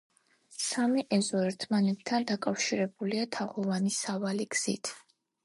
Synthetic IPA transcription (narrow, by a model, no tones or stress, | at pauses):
samiʔɛzɔɛɾt̪ʰmanɛt̪̚t̪ʰːand̪akʼafʃiɾɛbuliat̪ʰaʁɔvanisavaliɡz̥ḭt̪ʰ